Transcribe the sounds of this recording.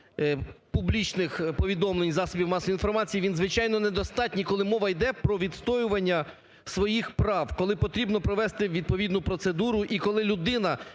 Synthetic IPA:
publʲit͡ʃnɪxpɔʋʲid̪ɔmlˠenʲzɑsɔbʲiwmɑsɔinfɔrmɑt͡sʲijiʋʲinzʋɪt͡ʃɑjnɔned̪ɔst̪ɑt̚ʲnʲikɔlˠɪmɔʋɐjd̪ɛpɾɔʋʲid̪st̪ɔjʊʋɐnʲːɐ | sʋɔjixpɾɑwkɔlˠɪpɔt̪ɾʲibnɔpɾɔʋɛst̪ɪʋʲid̪̚pɔʋʲid̪nʊpɾɔt̪sed̪uɾʊʔikɔlˠɪlʲʊd̪ɪnɐ

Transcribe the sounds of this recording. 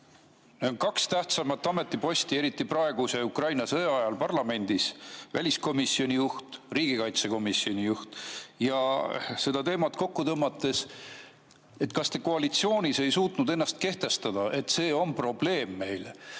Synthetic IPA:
neonkɑkst̪æht̪sɑmɑt̪ːˑɑme̞t̪ˑːipo̞sʲt̪ie̞ɾit̪ːˑiprɑe̞ɡ̥useukrɑjnɑsɤjɑjɑlpɑrlɑme̞nʲd̪̥isvæ̰lʲisko̞misːio̞nʲijuht̪riːɡ̥ikɑjt̪se̞ko̞misio̞nʲijuht̪jɑse̞d̪̥ɑt̪e̞ːmɑt̪ko̞kːut̪ɤmːɑt̪ːˑe̞s | e̞t̪kɑst̪e̞ko̞ɑlit̪sio̞ːnʲise̞jsuːt̪nud̪e̞nːɑst̪̚ke̞ht̪e̞st̪ɑd̪̥ɑʔe̞t̪ːse̞ːo̞npro̞b̥le̞ːmːe̞jl

